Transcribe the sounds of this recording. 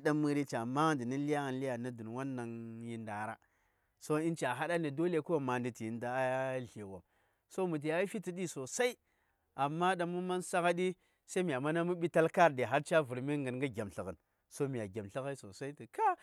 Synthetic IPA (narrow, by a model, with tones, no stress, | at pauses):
ɗa˦mːə˦ɾi˦t͡ʃa˨ma˦ndi˨ni˦li˦ja˦ɣə˨nli˦ja˨na˦du˨nwa˦nːa˨ŋji˦nda˨ɾa̰˦ | so˦i˦nt͡ʃa˨ɦa˦ɗa˦ni˨do˦le˦ko˦˨ma˨ndi˨ti˨i˨nda˨˦ɮe˨wo̰˨m | so˦mu˨t̬i˨ja˦i˦fi˦ti˨ɗi˦so˨sa˦i˦ | a˨mːa˦ɗa˦mu˦ma˦nsa˦ka˦ɗi˦ | sa˦mi˨a˨ma˦na˦mu˦ɓi˦ta˦lka˦ɾde˨ɦa˦ɾt͡ʃa˦vu˨ɾmi˦ŋɡə˨nŋɡə˦ɡʲa˨mɬə˨ɣə˨n | so˦mi˨a˨ɡʲa˨mɬa˦ɣa˦i˦so˨sa˦i˦ti˨ka˦